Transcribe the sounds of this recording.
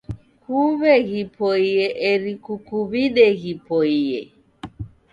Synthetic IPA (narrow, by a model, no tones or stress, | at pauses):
kuβehipʰoieʔeɾikukuβidehipoie